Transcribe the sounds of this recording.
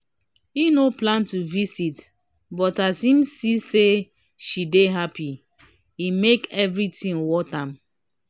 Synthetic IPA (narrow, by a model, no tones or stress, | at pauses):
inoplãntuvisit | bɔtasĩmsise | ʃideɦapi | imekɛvɹitĩŋwɔtãm